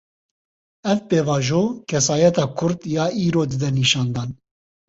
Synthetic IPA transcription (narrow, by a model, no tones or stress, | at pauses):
ɛvpeːvɑːʒoːkʰɛsɑːjɛt̪ɑːkʰʊɾd̪jɑːiːɾoːd̪ɨd̪ɛniːʃɑːnd̪ɑːn